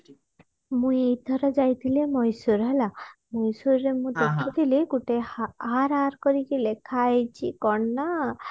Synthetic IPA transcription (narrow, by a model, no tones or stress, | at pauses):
mũjejt̪ʰɔɾɔd͡ʒajt̪ʰilemɔjsuɾɦelamɔjsuɾːemũd̪ɔkʰːit̪ʰileɡuʈeaɾaɾkɔɾiɡilekʰajt͡ʃʰikɔɳna